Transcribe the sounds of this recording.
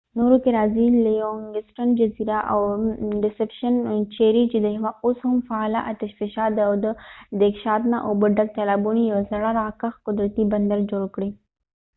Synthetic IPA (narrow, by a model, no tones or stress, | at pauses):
noɾokɪɾaːzilijoŋɡɪsʈənd͡ʒɐziɾaʔawɾɪsepʃənt͡ʃeɾit͡ʃed̪əɦʋaoshʊmfaːlaʔat̪ɐʃfɪʃaːt̪d̪awd̪əd̪ekʃaːt̪naʔobəɖɐɡ̚t̪alaːbunijɐwazɐɽaɾakaxkʊd̪ɾɐt̪ibɐnd̪ɐɾd͡ʒoɽkɽi